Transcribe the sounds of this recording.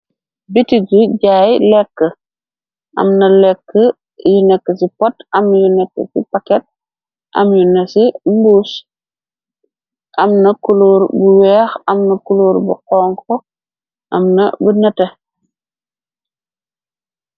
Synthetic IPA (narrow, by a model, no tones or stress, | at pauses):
bitiɟuɟaːjlɛkːə | ʔɐ̰mnɐlɛkːə | junɛkːəsipɔtɐmjunɛkːə̰sḭpakɛt̚ | ʔɐ̰mjunɐsimbuːs | ʔɐmnɐkuluːɾbuwɛːxɐmnɐkuluːɾbṵqɔːŋkɔ | ʔɐ̰mnɐbunɐte